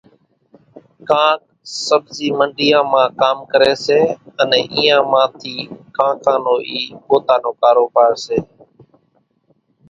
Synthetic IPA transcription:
kãːk̚ | səbziːməɳɖijãːmãːkaːmkəɾeːseːənɛ̃ːʔiːãːmãːt̪ʰiːkãːkãːnoːʔiːɓoːt̪aːnoːkaːɾoːbaːɾseː

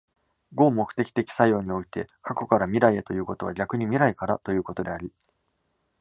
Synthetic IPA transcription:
ɡo̞ːmo̞kɯ̟̥t̪e̞kʲi̥t̪e̞kʲi̥sajo̞ːɲ̟io̞it̪e̞kʰako̞kaɾamʲiɾaiet̪o̞jɯ̟ːko̞t̪o̞βaɡʲakɯ̟ɲ̟imʲiɾaikaɾat̪o̞jɯ̟ːko̞t̪o̞d̪e̞aɾʲi

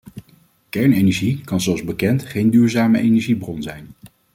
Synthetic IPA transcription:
kɛɹnejnɛʒikɑnzɔɑlˠzbəkɛntχejndyːɹzaːməʔejnɛɹʒibrɔnzɛjn

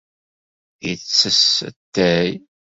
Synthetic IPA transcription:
jət͡sːəsət̪ːæj

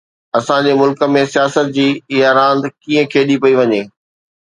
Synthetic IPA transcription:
ɐsãd͡ʑeːmʊlkə̆mẽsijaːsət̪̚d͡ʑiːɪjaːɾãːnd̪kĩːə̃kʰeːɗipɐiʋɐɲeː

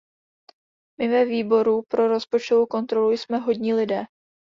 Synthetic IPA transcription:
mɪvɛviːbo̞ɾupɾo̞ɾo̞spo̞t͡ʃt̪ovowko̞nt̪ɾo̞lujsmɛɦo̞dɲiːlɪdɛː

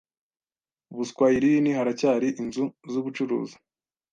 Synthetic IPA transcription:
uβuskwaːjiɾiwinihaɾacaːɾiʔinzuzuβut͡ʃuɾṵːzi̥

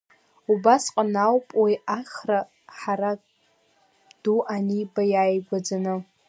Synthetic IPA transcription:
ubasqʼanawpʼwaaχra | ħaɾa | d̥uʔanibajajɡʷad͡zanɨ

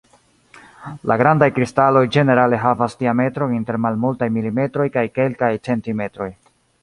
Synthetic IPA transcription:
lʔaɡɾandajkɾistalo̞jd͡ʒe̞ne̞ɾale̞ɦavastiame̞tɾo̞inte̞ɾmalmultajmilime̞tɾo̞jkajke̞lkajt͡se̞ntime̞tɾo̞j

